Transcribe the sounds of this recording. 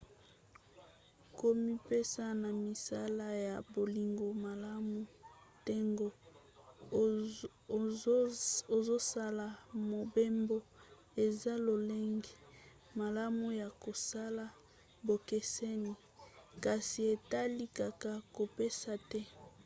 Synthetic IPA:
ko˦mi˦pe˦sa˦na˨mi˨sa˦la˦ja˨bo˨li˨ŋɡo˨ma˨la˦mu˨te˦ŋɡo˨ | o˨zo˦sa˦la˨mo˨be˦mbo˦ | e˨za˦lo˨le˦ŋɡi˨ | ma˨la˦mu˦ja˨ko˨sa˦la˦ | bo˨ke˨se˦ni˨ | ka˨si˨e˨ta˦li˦ka˨ka˨ko˨pe˦sa˨tɛ˦

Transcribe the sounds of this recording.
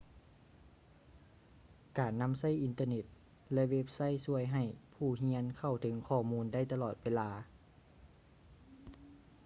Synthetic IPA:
kaː˨˩nːa˧˥˨msa˥˩jʔi˨˧nt̪ɤː˧ne˧˩t̪̚ | lɛ˧ʔwe˦˧˥p̚sa˧˥˨jsu˧˩əjɦa˨˩jpʰuː˧˩ɦi˧˥ənkʰa˧˩wt̪ʰɯ˩˦ŋkʰɔː˧˩muː˧˥nda˥˩jt̪a˧lɔː˨˩t̪̚weː˧˥laː˧

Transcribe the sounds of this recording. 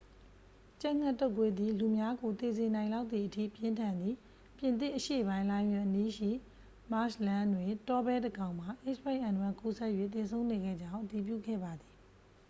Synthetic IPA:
t͡ɕa˦˨ŋ̥a˦˨tːo˦ʊkwe˦d̪ði˨lu˨mja˦ɡo˨t̪e˨ze˨nã˨ɪ̃la˦ʊt̪ːi˨ʔətʰḭ˦˨pjɪ̃˦ntʰã˨nd̪ði˨ | pjɪ̃˨nt̪ɪ̰̃˦˨ʔəʃḛ˦˨ʔəbã˦ɪ̃lã˦ɪ̃nwɪ̃˨ʔəni˦ʃḭ˦˨ | ma˦ʃlã˦ndwe˨tɔ˦bɛ˦də˨ɡã˨ʊ̃m̥a˨ʔe˦ʃpa˦ɪʔã˨ndu˨ã˨ŋku˦sɛ˦ʔjwḛ˦˨t̪̬e˨sʰõ˦ʊ̃ne˨ɡɛ̰˦˨d͡ʑã˦ʊ̃ʔəti˨p̬jṵ˦˨ɡɛ̰˦˨ba˨d̪ði˨

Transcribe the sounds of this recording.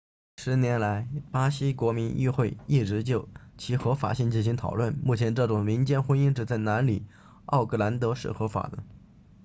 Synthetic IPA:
ʂɻ̩˧˥njɛ˧˥nla˧˥ɪpa˥ɕi˥kwɔ˧˥mi˧˥ny̰˥˧xwe˥˧ɪi˥˩ʈ͡ʂɻ̩˧˥t͡ɕjo˥˩ʊt͡ɕʰi˧˥xɤ˧˥fa̰˨˩ɕi˥˩ŋt͡ɕi˥˩nɕi˧˥ŋt̪ʰɑ˨˩ʊlwə˥˩nmu˥˩t͡ɕʰjɛ˧˥nʈ͡ʂɤ˥˩ʈ͡ʂʊ˨˩ŋmi˧˥nt͡ɕjɛ˥nxwə˥ni˥ŋʈ͡ʂɻ̩˥˩t͡sa˥˩ɪna˧˥nli˨˩ | ɑ̰˥˩ʊkʰɤ˥˩la˧˥nt̪ɤ˧˥ʂɻ̩̰˥˩xɤ˧˥fa̰˨˩d̪ə˦

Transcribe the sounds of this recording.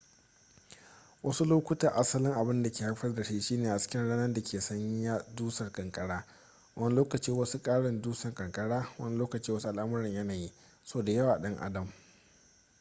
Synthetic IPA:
wʔɐ˦su˦loː˦kʷʊ˦ta˨ʔa˦sɐ˦lɪ˦ŋʔa˨bɪ˦nda˨kʲeː˨ha˦ɸɐ˦rda˨ʃiː˦ʃiː˦neː˨ʔa˨t͡ʃɪ̥˦kʲɪ˦nɽaː˦nɐ˦rda˨kʰʲeː˨sɐ˦ɲji˦ja˦duː˦sɐ˨rkʼɐ˨ŋkʼɐ˨ɽaː˦ | wɐ˦ni˦loː˦kɐ˨t͡ʃiː˦wɐ˦su˦kʼaː˦ɽɪ˨nduː˦sɐ˨ŋkʼɐ˨ŋkʼɐ˦ɽaː˦wɐ̰˦n˦loː˦kɐ˨t͡ʃiː˦wɐ˦su˦ʔa˨lʔa˦mʊ˦ɾɐ˨ɲjɐ˦naː˨ji˦ | soː˦da˨jɐ˦waː˨ɗɐ˦ŋʔa̰˦dɐ˨m

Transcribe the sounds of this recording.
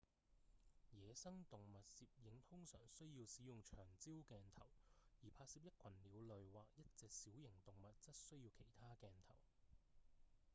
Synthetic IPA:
jɛː˨˧sɐ˥ŋt̪ʊ˨ŋmɐ˨t̚siː˧p̚jɪ˨˥ŋt̪ʰʊ˥ŋsœː˨˩ŋsɵ˥ɥjiː˧wsiː˨˥jʊ˨ŋt͡ʃʰœː˨˩ŋt͡siː˥wkɛː˨˧nt̪ʰɐ˨˩wjiː˨˩pʰaː˧siː˧p̚jɐ˥t̚kʷʰɐ˨˩nliː˨˧wlɵ˨ɥwaː˨k̚jɐ˥t̚t͡sɛː˨k̚siː˨˥wjɪ˨˩ŋt̪ʊ˨ŋmɐ˨t̚t͡sɐ˥t̚sɵ˥ɥji˧wkʰe˨˩jt̪ʰaː˥kɛː˨nt̪ʰɐ̰˨˩w

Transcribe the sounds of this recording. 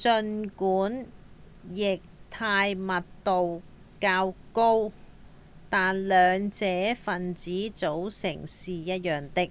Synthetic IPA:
t͡sɵ˧nkuː˨˥n | jɪ˨k̚t̪ʰaː˧jmɐ˨t̚t̪o˨w | kaː˧wko˥w | t̪aː˨nlœː˨˧ŋt͡sɛː˨˥fɐ˨nt͡siː˨˥t͡so˨˥wsɪ̰˨˩ŋsiː˨˩jɐ˥t̚jœː˨˩ŋt̪ɪ˥k̚

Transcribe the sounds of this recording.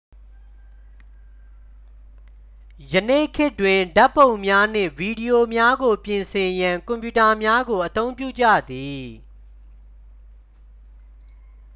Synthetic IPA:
jənḛ˦˨kʰɪ˦twɪ̃˨nda˦pːõ˨ʊ̃mja˦n̥ɪ̰̃˦˨vi˨di˨jo˨mja˦ɡo˨pjɪ̃˨nsʰɪ̃˨jã˨ŋkɔ̃˨mpju˨ta˨mja˦ɡo˨ʔət̪õ˦ʊ̃mpjṵ˦˨d͡ʑä̰˦˨d̪i˨

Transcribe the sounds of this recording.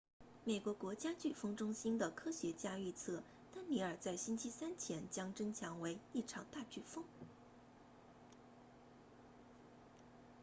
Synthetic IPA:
me˨˩ɪkwɔ˧˥kwɔ˧˥t͡ɕja˥t͡ɕy˥˩fɤ˥ŋʈ͡ʂʊ˥ŋɕi˥nd̪ə˨kʰɤ˥ɕɥɛ˧˥t͡ɕja˥y˥˧t͡sʰɤ˥˩ | t̪a˥nni˧˥ə˞˨˩t͡sa˥˩ɪɕi˥nt͡ɕʰi˥sa˥nt͡ɕʰjɛ˧˥nt͡ɕjɑ˥ŋʈ͡ʂɤ˥ŋt͡ɕʰjɑ˧˥ŋwe˧˥ɪi˥˩ʈ͡ʂʰɑ˧˥ŋt̪a˥˧t͡ɕy˥˩fɤ˥ŋ

